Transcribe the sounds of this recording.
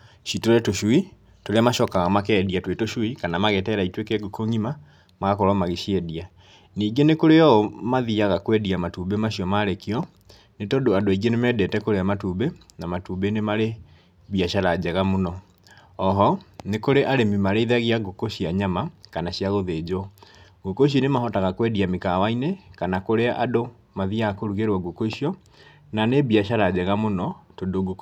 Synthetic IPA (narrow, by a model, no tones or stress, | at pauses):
ɕitoɾɛtoʃwi | toɾeamaʃɔkaɣamakɛːdiatwetoɕwikanamaɣetɛɾaitwekɛɡokoŋima | maɣakɔɾɔmaɣiʃjɛdia | niːɡenekoɾeɔmaðiaɣakwɛdiamatubemaɕjɔmaɾekiɔ | netɔdoadoaiɡenemɛdɛtɛkoɾeamatubenamatubenemaɾe | βiaʃaɾad͡ʑɛɣamonɔ | ɔɦɔnekoɾeʔaɾemimaɾeiðaɣiaɡokoɕiaɲamakanaɕiaɣoðed͡ʑo | ɡokoʃ̬inemaɦɔtaɣakwɛdiamekawainekanakoɾeaʔado | maðiakoɾuɣeɾwɔɡokoiɕiɔ | naneβiaɕaɾad͡ʑɛɣamonɔtondoɡok